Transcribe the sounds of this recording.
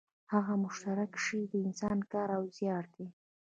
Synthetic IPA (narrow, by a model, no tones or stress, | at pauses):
haɣamʊʃt̪aɾakʃəd̪əɪnsɑnkɑɾawzjɑɽd̪e